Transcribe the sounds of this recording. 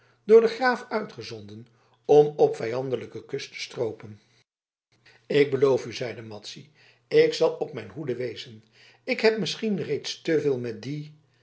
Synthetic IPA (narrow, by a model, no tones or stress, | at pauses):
dʊːɹdəχraːfœɥtχəzɔndən | ɔmɔpfɛjɑndələkəkɵstə̥strowpən | ɪk̚bəlowfyzɛjdəmɑtsi | ɪksɑlˠɔpmɛjnɦudəʋejzən | ɪkɦɛp̚mɪsχinrejtstəvɪːlˠmɛt̚di